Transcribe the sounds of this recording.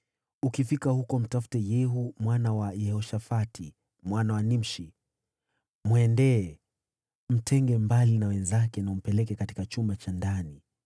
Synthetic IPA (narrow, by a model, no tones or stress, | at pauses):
ukifikahukɔm̩tafu̥tɛjɛɦumwanawajɛhɔʃafatʰi | mwanawanim̩ʃi | mwɛndɛː | m̩tʰɛŋɡɛmbalinawɛnzakɛnaum̩pɛlɛkɛkati̥kat͡ʃumat͡ʃandani